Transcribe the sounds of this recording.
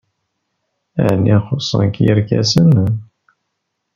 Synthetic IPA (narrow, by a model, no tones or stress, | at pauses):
ə̰ʕnːiχosˤːə̰nkjəɾkæ̰sən